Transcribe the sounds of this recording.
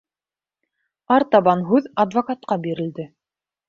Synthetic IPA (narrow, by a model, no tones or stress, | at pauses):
ɑɾt̪ɑβɑnɦʉðɐd̪vɐkat̪̚qɑbiɾɘ̆ld̪ɘ